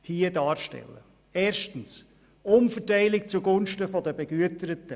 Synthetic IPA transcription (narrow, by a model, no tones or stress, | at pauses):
hiədɑːɾʃtɛ̰lːə̰ | eːɾʃtən̩s | ʊnfətaɪlɪkt͡suɡʊnʃtəfɔdəbɛɡ̥yətəɾətə